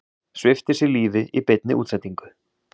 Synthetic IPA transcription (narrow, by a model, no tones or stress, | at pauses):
svɪft̪ɪsɪliːvɪʔipɪt̪nɪ̰ʔuːt̪sajt̪ːiŋkʏ̥